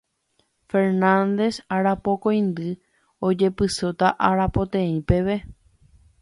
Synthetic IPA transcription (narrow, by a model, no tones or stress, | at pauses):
fe̞ɾnãnd̪e̞saɾapo̞kõ̞j̃nd̪ɨ | o̞d͡ʒe̞pɨsot̪aʔaɾapo̞t̪ẽĩpe̞ʋe